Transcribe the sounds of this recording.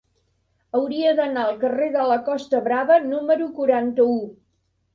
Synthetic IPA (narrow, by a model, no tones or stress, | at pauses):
əwɾiəðənaəlˠkəreðələkɔst̪əβɾaβənuməɾukuɾant̪əu